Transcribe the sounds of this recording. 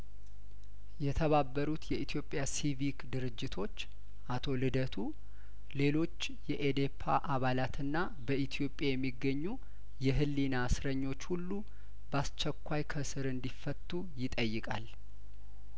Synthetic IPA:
jɛt̪ʰəβabːəɾut̪jɛʔit̪ʰijo̞pʼːjasivikd̪ɨɾɨd͡ʒːɪt̪ʰo̞t͡ʃː | ʔat̪ʰo̞lɨd̪ət̪ʰu | le̞lo̞t͡ʃː | jɛʔed̪e̞pʰːa̰ʔaβalat̪ʰɨnːa | bəʔit̪ʰijo̞pʼjajɛmːiɡːəɲːu | jɛɦɨlːinasɾəɲːo̞t͡ʃːhulːu | bast͡ʃːɛkʷːajkʰəsɨɾɨnd̪ifːət̪ʼːujɪt̪ʼəjːɨkʼal

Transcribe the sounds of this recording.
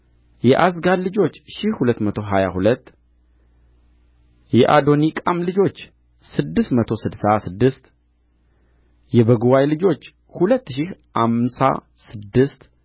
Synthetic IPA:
jɛʔasɡallɨd͡ʒo̞t͡ʃːʃihhulət̪ːmət̪ʰo̞ɦajahulət̪ː | jɛʔad̪o̞nikʼamlɨd͡ʒo̞t͡ʃː | sɨd̪ːɨst̪mət̪ʰo̞sɨd̪sasɨd̪ːɨst̪ | jɛbəɡuwajlɨd͡ʒo̞t͡ʃː | hulət̪ːʃɪhʔamsa̰ | sɨd̪ːɨst̪

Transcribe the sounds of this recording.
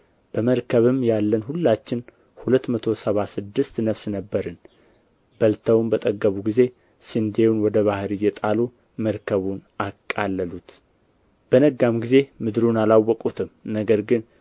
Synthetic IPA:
b̥əməɾkʰəβɨmjalːənhulːat͡ʃːɪn | hulət̪ːmət̪ʰo̞səβasɨd̪ːɨst̪nəfsnəbːəɾɨn | bəlt̪ʰəwmbət̪ʼəɡːəβuɡize̞ | sɨnd̪e̞wunwɔd̪əβahɾijɛt̪ʼalu | məɾkʰəβunakʼːalːəlut̪ | b̥ənəɡːamɡize̞mɨd̪ɾunalawːɔkʼut̪ʰɨmnəɡəɾɡɨn

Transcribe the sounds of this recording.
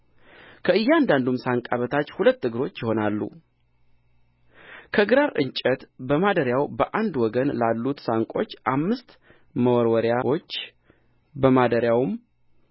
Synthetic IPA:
kʰəɨjːɛand̪and̪umsaŋkʼaβət̪ʰat͡ʃːhulət̪ːɨɡɨɾo̞t͡ʃːjɪho̞nalːṵ | kʰəɨɡɾaɾʔɨ̰ɲt͡ʃʼət̪bəmad̪əɾjawbəʔand̪wɔɡənlalːut̪saŋkʷʼo̞t͡ʃːʔamːɨst̪ | məwɔɾwɔɾjao̞t͡ʃː | bəmad̪əɾjawm

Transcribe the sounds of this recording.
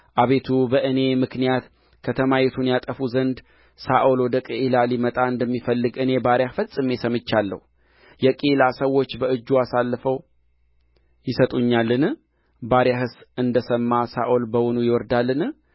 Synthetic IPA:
ʔaβe̞t̪ʰubəʔɨne̞mɨknijat̪ | kʰət̪ʰəmajɛt̪ʰunjat̪ʼəfuzənd̪ | saʔolwɔd̪əkʼiʔilalimət̪ʼaɨnd̪əmːifəlːɨɡʔɨne̞baɾjafət͡sʼːɨmːesəmɨt͡ʃːalːə̰hu | jɛkʼelasəwːo̞t͡ʃːbəɨd͡ʒːuasalːɨfəw | jɪsət̪ʼuɲːalːɨn | baɾjahɨsɨnd̪əsəmːasaʔolbəwɔnujɪwɔɾd̪alːɨn

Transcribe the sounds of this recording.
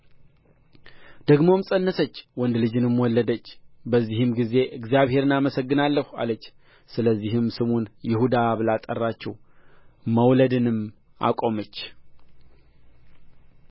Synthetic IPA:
d̪̥əɡmo̞msʼənːəsət͡ʃːwɔnd̪lɨd͡ʒɨnɨmwɔlːəd̪ət͡ʃːbəzːihɨmɡize̞ʔɨɡzjaβhe̞ɾɨnaməsəɡːɨnalːəha̰lət͡ʃː | sɨləzːiɦɨmsɨmunjɪhud̪aβlat̪ʼərːat͡ʃːɛw | məwləd̪ɨnɨm | a̰kʼo̞mət͡ʃː

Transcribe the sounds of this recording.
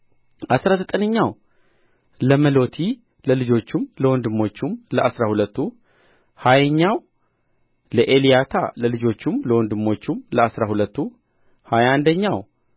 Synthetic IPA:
ʔasɾazət̪ʼənəɲːaw | ləməlo̞t̪ʰi | ləlɨd͡ʒo̞t͡ʃːumləwɔnd̪ɨmːo̞t͡ʃːumləʔasɾahulət̪ːu | hajəɲːaw | ləʔelijat̪ʰa̰ləlɨd͡ʒo̞t͡ʃːumləwɔnd̪ɨmːo̞t͡ʃːumləasɾahulət̪ːu | hajand̪əɲːaw

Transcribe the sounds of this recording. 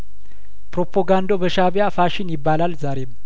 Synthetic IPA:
pɾopʰoɡand̪o̞bəʃaβjafaʃɪnjɪbːalalzaɾem

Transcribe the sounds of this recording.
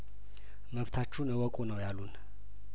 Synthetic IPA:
məβt̪ʰat͡ʃːunəwɔkʼunəwjalːun

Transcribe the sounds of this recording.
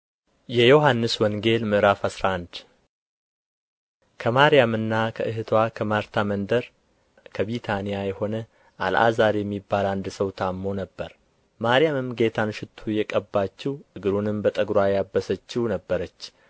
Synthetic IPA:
jɛjo̞ɦanːɨswɔŋɡe̞lmɨʔɾafasɾaand̪ | kʰəmaɾijamɨnːakʰəʔɨɦɨt̪ʰwakʰəmaɾt̪ʰamənd̪əɾ | kʰəβit̪ʰanijajɛho̞nə | ʔalʔa̰zaɾjɛmːibːaland̪səwt̪ʰamːo̞nəbːəɾ | maɾijamɨmɡe̞t̪ʰanʃɪt̪ʰːujɛkʼəbːat͡ʃːɪwʔɨɡɨɾunɨmbət̪ʼəɡɾwajabːəsət͡ʃːɪwnəbːəɾət͡ʃː

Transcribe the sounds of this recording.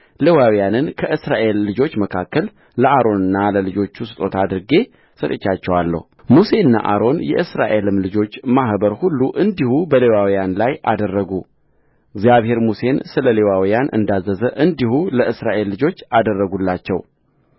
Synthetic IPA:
lewawijanɨnkʰəʔɨsɾaʔe̞lːɨd͡ʒo̞t͡ʃːməkʰakːəl | ləʔaɾo̞nɨnːaləlɨd͡ʒo̞t͡ʃːusɨt̪ʼo̞t̪ʰad̪ɨɾɡe̞ | sət̪ʼɨt͡ʃːat͡ʃːɛwalːə̰humuse̞ɨnːa̰ʔa̰ɾo̞njɛ̰ʔɨsɾa̰ʔe̞lɨmlɨd͡ʒo̞t͡ʃːmahbəɾhulːuʔɨnd̪ihubəlewawjanlajʔa̰d̪ərːəɡu | ɨɡzjaβhe̞ɾmuse̞nsɨləle̞wawijanʔɨ̰nd̪azːəzəʔɨnd̪ihuləʔɨsɾaʔe̞lːɨd͡ʒo̞t͡ʃːad̪ərːəɡulːat͡ʃːɛw

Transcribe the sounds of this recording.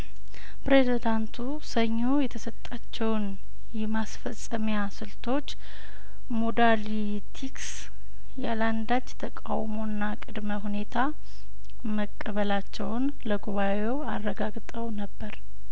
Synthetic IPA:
pɾezid̪ant̪ʰu | səɲːo̞jɛt̪ʰəsət̪ʼːat͡ʃːɛwn | jɛmasfəsʼəmjasɨlt̪ʰo̞t͡ʃː | mod̪ali | t̪ʰiks | jaland̪at͡ʃːt̪ʰəkʼawmo̞nːakʼɨd̪məɦune̞t̪ʰa | məkʼːəβəlat͡ʃːɛwʊn | ləɡuβa | e̞warːəɡaɡt̪ʼəwnəbːəɾ

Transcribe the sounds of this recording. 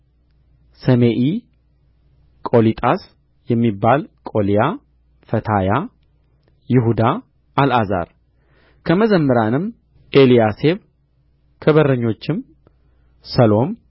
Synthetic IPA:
səmeʔi | kʼo̞lit̪ʼas | jɛmːibːalkʼo̞lija | fət̪ʰaja | jɪɦud̪a | alʔaza̰ɾ | kʰəməzəmːəɾanɨm | ʔe̞lijase̞β | kʰəβəɾəɲːo̞t͡ʃːɪm | səlo̞m

